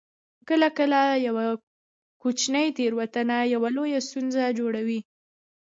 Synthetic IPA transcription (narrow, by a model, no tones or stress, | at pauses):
kəlakəlajawa | kot͡ʃnəjt̪eɾwat̪anajawalojast̪unzad͡ʒoɽawi